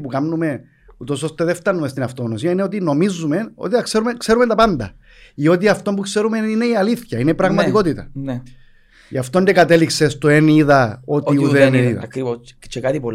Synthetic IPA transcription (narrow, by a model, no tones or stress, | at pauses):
pukɐmnume̞ | ut̪o̞so̞st̪eðeft̪ɐnːumest̪inɐft̪oɣnosiɐineo̞t̪̬ino̞mizːume̞no̰t̪iθɐkseɾumekse̞ɾumet̪ɐpɐnd̪ɐ̰ | io̞t̪̬iɐft̪o̞mbukse̞ɾumeine̞iɐliθçɐineipɾɐɣmɐt̪iko̞t̪it̪ɐn | iɐft̪ond̪ekɐt̪eliksest̪oeniðɐot̪iuðeneiðɐ̰ɐkɾivot͡ʃekat̪ipol